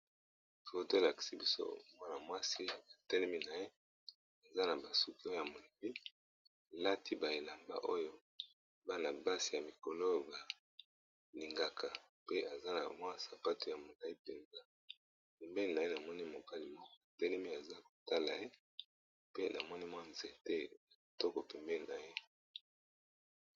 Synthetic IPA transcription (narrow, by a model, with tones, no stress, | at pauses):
to˦te˦˨la˨ki̥˨si˦bi˦so̰˦mwa˦na˨mwa˦si˦a˨tɛ˦lɛ˦mi˦na˨je˦ | e˨za˦na˨ba˨su˦ki˦o˦jo˦ja˨mo˨le˨bi˦˨ | la˦tʰi˦ba˨je˨la˨mba̰˦ʔo˦jo˦ | ba˦na˨ba˦si˨ja˨mi˨ko˨lo˦ba˨ | li˨ŋɡa˨kʰa˨ | pe˦ʔa˨za˦na̰˨mwa˦˨sa˨pa˦to˨ja˨mo˨ka˨i˦pe˨nza˦ | pɛ˨mbɛ˦li˨na˨je˦na˨mɔ˦ni˦mo˨ka˦li˨mɔ˦kɔ̥˦˨tɛ˦le˦mi˦a˨za˦ko˨ta˦la˨je˦ | pe˦nʔa˨mɔ˦ni˦mwa˦nze˦tɛ˦na˨tɔ˦kɔ˨pɛ˨mbɛ˦li˨na˨je˦